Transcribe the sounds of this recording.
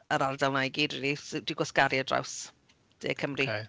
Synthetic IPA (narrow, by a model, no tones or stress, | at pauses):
əɾardalˠnajɡiːdrilisd̥iɡwɔskaɾiədra̰ws | d̥ḛːkʰəmri